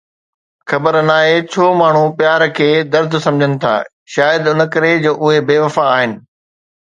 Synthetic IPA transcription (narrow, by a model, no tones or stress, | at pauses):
xɐbəɾnaːɦet͡ɕʰoːmaːɳ̤upjaːɾkʰeːd̪ɐɾd̪ʱsɐ̃md͡ʑʱənɪ̆t̪ʰa̰ː | ʃaːjəd̪ʊnə̆kɐɾed͡ʑoːʔʊɦebeːʋɐfaːɦɪnɪ̆